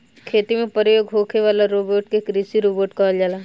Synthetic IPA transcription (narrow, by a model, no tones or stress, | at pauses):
kʰeːt̪imẽpɐɾɪjoːɡɦoːkʰeʋaːlaɾoːboːɾʈkekɾisiɾoːboːʈkaːld͡ʒaːlaː